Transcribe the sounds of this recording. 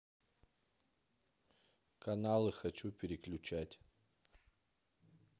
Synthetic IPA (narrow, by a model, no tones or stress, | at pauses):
kɐnalˠɨxɐt͡ɕupʲɪɾʲɪklʲʊt͡ɕatʲ